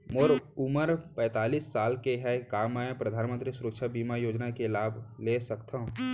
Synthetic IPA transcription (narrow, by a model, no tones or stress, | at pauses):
moɾʊməɾpɛ̃ːt̪aːliːsːaːlkeɦɛkaːmãpɾəd̪ʱaːnmə̃nt̪ɾisʊɾəkʃʰabiːmajoːd͡ʒnakelaːbʱlesəkt̪aɦũ